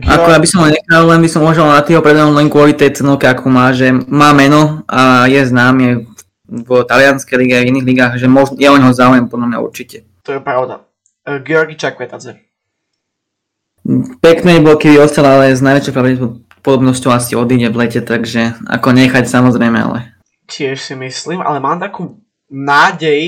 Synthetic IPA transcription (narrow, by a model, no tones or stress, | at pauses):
ʔa̰ɔjabisɔmɦɔɲɛxallɛnbisɔmuaʒɛlnat̪iːɦɔpɾɛd̪ɛnɔlɛnkʊɔlit̪ɛjt͡sɛnɔlkɛakʰɔːmaːʒɛmaːmɛnɔajɛznaːmiɛ | vət̪alɪanskɛjliɡɛaviniːɣliɡaːɣʒɛmɔʒnjaɔɲɦɔzaujɛmpɔd̪lamɲa̰ṵɾt͡ʃicɛ | t̪ɔjɛpɾaʊd̪a̰ | ɡɛɔɾɡit͡ʃakʋɛt̪ad͡zɛ | pɛknɛbɔkibiɔst̪alaalɛznaɪʋɛt͡ʃjɔʊpɾaɾɛ | pɔd̪ɔbnɔscɔʊasiɔd̪iːɟɛʋlɛcɛt̪aɡʒɛa̰kɔɲɛxacsamɔzɾɛjmɛa̰lɛ̰ | cɪɛʃsimisliːmʔa̰lɛmaːmt̪akuː | naːɟɛj